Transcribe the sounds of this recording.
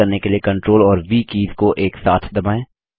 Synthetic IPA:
ɐɾnekeliekɐ̃ɳʈɾoːlɔːɾʋiːkiːzkoʔeːksaːt̪ʰd̪ɐbaːẽː

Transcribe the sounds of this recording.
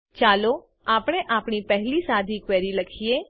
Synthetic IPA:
t͡ʃaːlo | aːpɽ̃eʔaːpɳ̃ipɛɦlisad̪ʱikʋɛɾiləkʰije

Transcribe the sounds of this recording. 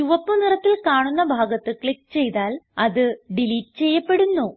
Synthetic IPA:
juʋɐpːunirɐt̪ːilkaːɳunːɐbʱaːɡɐt̪ːɨkɭikːt͡ɕe̞jt̪aːlɐðɨɖiliːʈːɨt͡ɕe̞jːɐpːe̞ɽunːoː

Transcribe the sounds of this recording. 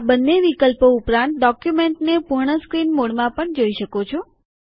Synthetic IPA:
abənːeʋikəlpoupɾãnt̪̚ɖɔkjumeɳʈnepuɾɳəskɾinmoɽmãpəɳd͡ʒoiʃəkot͡ʃʰo

